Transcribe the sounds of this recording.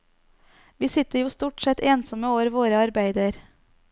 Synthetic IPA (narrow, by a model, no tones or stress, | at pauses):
ʋiːsɪt̪əɾjuːst̪uːʈsɛt̪eːnsɔməoːʋəɾʋoːɾəɑɾbæɪd̪əɾ